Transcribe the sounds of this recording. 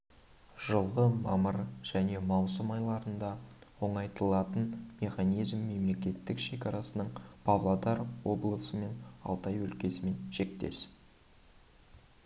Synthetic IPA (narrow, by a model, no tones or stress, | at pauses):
ʒ̥əlˠʁəmɑ̰məɾʒ̥æne̞mɑwsəmɑjlˠɑɾənd̪ɑwo̞ɴɑjt̪əlˠɑt̪ənme̞χɑnijzmːe̞mle̞kʲe̞t̪ːɪkʃe̞kʲɑɾɑsənəɴpʰɑvlˠad̪ɑɾwo̞blˠəsəme̞nɑ̰lˠt̪ɑjwɵlkʲe̞sɪme̞nʒ̥e̞k̚t̪e̞̰s